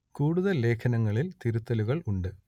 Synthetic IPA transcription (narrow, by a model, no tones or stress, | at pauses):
kuːɽuðɐlːe̞ːkʰɐnɐŋːɐɭilt̪iɾut̪ːɐluɣɐɭuɳɖɨ